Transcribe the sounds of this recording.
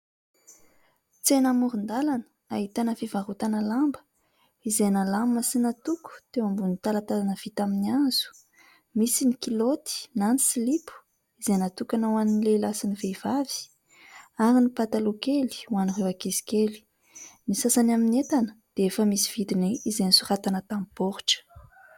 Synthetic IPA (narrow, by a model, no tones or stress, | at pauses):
t͡senamuɾund̪alanə | aɦit̪anəfivaɾut̪analambə̥ | izenalaməsinat̪uku̥t̪ewambunit̪alat̪azanəv̥it̪aminiaz̥u̥ | misinikilot̪i̥nanisilipu̥ | izejnat̪ukanawaninlelasinivevavi̥ | aɾinipat̪alukeli̥wanirevakesi̥keli̥ | nisasanaminet̪anə̥d̪̥eefəmisi̥v̥id̪ineizenisurat̪anət̪ampoɾuʈ͡ʂə̥